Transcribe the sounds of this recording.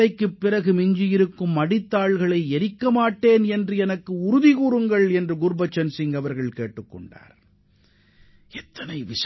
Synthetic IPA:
ɐɪkːɯpːɪɾɐɣɯmɪɲd͡ʒɪjɪɾɯkːɯmːɐɽɪt̪ːaːɭɣɐɭɐɪɛɾɪkːɐmaːʈːeːnɛndrɯɛnɐkːɯʊɾʊðɪɣuːɾɯŋɡɐɭɛndrɯɡʊɾbɐt͡ʃːɐnsɪŋɡɐʋɐɾɣɐɭkeːʈːɯkːɔ̰ɳɖa̰ːɾ | ɛt̪ːɐnɐɪʋɪʂ

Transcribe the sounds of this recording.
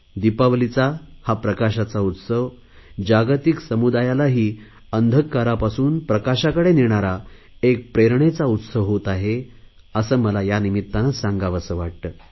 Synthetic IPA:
d̪ipaʋlit͡sahapɾəkaɕat͡saut̪səʋ | d͡ʑaɡt̪iksəmud̪ajalaɦiː | ənd̪ʱəkːaɾapasuːnpɾəkaɕakəɽeniɳ̃aɾa | ek̚pɾeɾɳet͡saut̪səʋɦot̪aɦe | əsəːməlajanimit̪ːanasãŋɡaʋasəːʋaʈ̚t̪əː

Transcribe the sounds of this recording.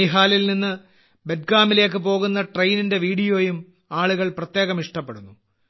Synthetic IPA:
iɦaːlilninːɨ | beʈ̚ɡaːmile̞ːk̬ːɨp̬o̞ːɣunːɐʈrɐjninde̞ʋiːɽijoːjum | aːɭuɣɐɭprɐt̪je̞ːɣɐmiʂʈɐpːeɽunːu

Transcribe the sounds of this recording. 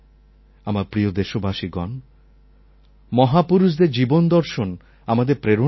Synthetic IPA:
amaɾpɾijod̪eʃobʱaʃiɡɔn | mɔɦapuɾuʃ̬d̪eɾd͡ʑibond̪ɔɾʃon | amad̪eɾpɾeɾo

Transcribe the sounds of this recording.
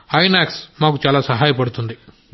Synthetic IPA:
ɐjnaːksmaːkut͡ʃaːlaːsɐɦaːjɐpɐɽut̪und̪i

